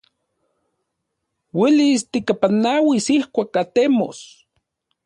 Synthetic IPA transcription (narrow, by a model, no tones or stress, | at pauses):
wilist̪ikapanawisihkʷakat̪emo̰s